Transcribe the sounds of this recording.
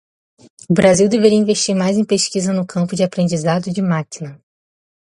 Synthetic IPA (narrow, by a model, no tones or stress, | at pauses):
ʊbɾʔaziwd̪eveɾiɐĩveʃt͡ʃiɾmajzẽj̃peʃkizɐnʊkʰɐ̃mpʊd͡ʒɪapɾẽnd͡ʒizad̪ʊd͡ʒɪmakinɐ